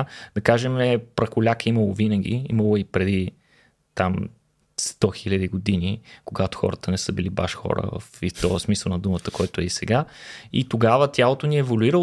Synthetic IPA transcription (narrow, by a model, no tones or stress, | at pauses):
d̪̥ɐkaʒɛmɛpɾɐxʊlʲakəiməlˠovinɐɡ̟ʲḭḭmɐlˠoipɾɛd̪i | t̪am | st̪ɔxilʲɐd̪iɡod̪inikoɡat̪ʊ̥xɔ̰ɾət̪ənɛsəbiliba̰ʃxɔ̰ɾə̰və̰fift̪ɔəsmisəlˠnɐd̪umət̪əkɔjt̪oɛisɛ̰ɡaḭt̪oɡavət̪ʲjalˠot̪oniɛvoluiɾə